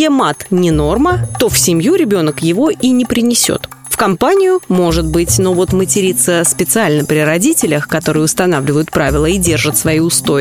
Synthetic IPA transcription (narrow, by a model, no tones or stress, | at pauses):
emat̪nʲɪno̞rmət̪o̞fsʲɪmʲjuɾʲɪbʲo̞nəkjɪvo̞ʔinʲɪpɾʲɪnʲɪsʲo̰t̪fkɐmpanʲɪjʊmo̞ʐɨt̪̚bɨtʲno̞vo̞t̪mətʲɪɾʲit̪səspʲɪt̪sɨalʲnəpɾʲɪɾɐdʲitʲɪlʲəxkɐt̪o̞ɾɨjʊst̪ɐnavlʲɪvəjʊt̪̚pɾavʲɪlˠəidʲe̞rʐɨt̪svɐiʊst̪o̞